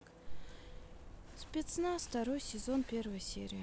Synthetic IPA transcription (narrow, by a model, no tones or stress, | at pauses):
spʲet̪snast̪ɐɾo̞jsʲɪzonpʲe̞rvəjsʲḛɾʲɪjə